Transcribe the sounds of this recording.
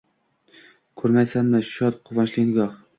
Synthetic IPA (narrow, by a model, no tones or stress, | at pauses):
kʰɵɾmajsanmɪʃɒt̪qʰʊvɒnʃlɪnɡɒχ